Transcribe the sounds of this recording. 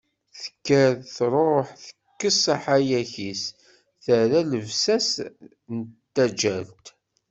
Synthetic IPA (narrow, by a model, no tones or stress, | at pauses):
θə̥kːæðθɾˤoħθə̥kːəsˤɑħajæçis | θæɾæləvsæs | nt̪ːæd͡ʒælt̪